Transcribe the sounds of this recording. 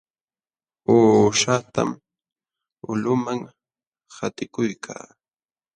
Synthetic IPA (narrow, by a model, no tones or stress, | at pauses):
oːʃat̪a̰m | ʊlʊmaŋ | hat̪ɪkʊjkʰa̰ː